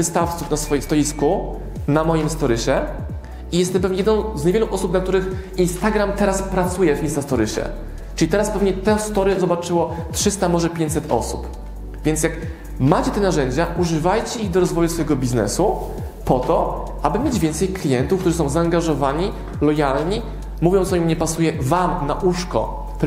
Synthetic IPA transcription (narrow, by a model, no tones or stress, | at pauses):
vɘst̪aft̪sufnasfɔjist̪ɔjisku | namɔjimst̪ɔɾɘɕɛ | ijɛst̪ɛmpɛvɲɛjɛd̪ñw̃zɲavjeɛluʔɔsup̚nak̚t̪uɾɘxinst̪aɡɾamt̪ɛɾaspɾat̪sujɛvinsast̪ɔɾɘɕɛ̰ | ʈ͡ʂɘlʲit̪ɛɾaspɛvɲɛt̪ɛst̪ɔɾɛzɔbat͡ʂɘwɔtʂɘst̪amɔʐɛpʲjẽɲt͡ɕʲsɛt̪ɔ̰sup | vʲjɛnt̪s̬ʲjak | mat͡ɕɛt̪ɛnaʐɛɲd͡ʑaʔuʐɘvajt͡ɕɛiɣd̪ɔɾɔzvɔjusfɔjɛɡɔbʲiznɛ̰su | pɔt̪ɔ | ʔabɘmʲjed͡ʑvʲɛnt̪sɛjklʲijɛnt̪ufkt̪uʐɘsɔ̃w̃zaːŋɡaʐɔvaɲi | lɔjalɲi | muvʲjɔ̃t̪sɔimɲɛpasujɛvamnaʔuʂkɔ̰ | p